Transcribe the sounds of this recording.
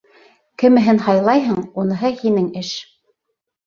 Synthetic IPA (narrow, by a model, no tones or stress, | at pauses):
kɘ̆mɘ̆ɦɘnhɑjlˠɑjɦɤɴunɤ̆ɦɤhinɘŋɘʃ